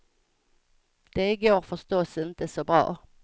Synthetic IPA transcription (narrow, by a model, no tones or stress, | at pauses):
d̪̥eɪɡoːʁfɔst̪oːsɪnt̪əsoːbʁɑ̰ː